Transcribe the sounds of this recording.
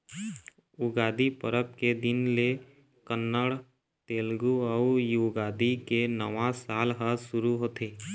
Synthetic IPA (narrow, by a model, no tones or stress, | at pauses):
uɡaːd̪ipə̰ɾəp̚ked̪ɪnle | kənːəɽ | t̪eːlɡuɔjuːɡaːd̪ikenəʋãsaːlɦəsʊɾuɦoːt̪ʰeː